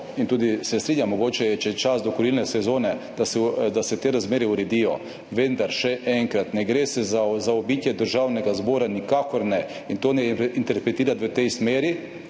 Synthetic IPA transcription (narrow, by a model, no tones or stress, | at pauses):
int̪uːd̪isɛst̪ɾiːɲamːɔɡoːt͡ʃɛjɛt͡ʃɛt͡ʃazd̪ɔkɔɾiːlnɛsɛzoːnɛd̪̥asɛd̪asɛt̪eːɾazmeːɾɛuɾɛd̪iːjɔ̰ | ʋend̪aɾʃɛʔɛŋkɾat̪nɛɡɾeːsɛazaɔbiːt̪jɛd̪əɾʒawnɛɡazboːɾanikakɔɾnɛ | int̪oːnɛint̪ɛɾpɾɛt̪iːɾat̪ʋət̪ɛjsmeːɾi